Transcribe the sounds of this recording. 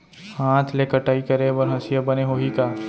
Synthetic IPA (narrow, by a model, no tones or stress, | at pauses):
hãːt̪ʰlekəʈaːikɐɾebɐɾɦɐsjəbɐneɦoːɦikaː